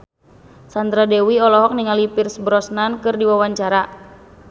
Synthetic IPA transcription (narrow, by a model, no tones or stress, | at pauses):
sand̪ɾadewiɔlɔɦɔk̚niŋalipirsbɾɔsnankɨrdiwawaɲt͡ʃaɾa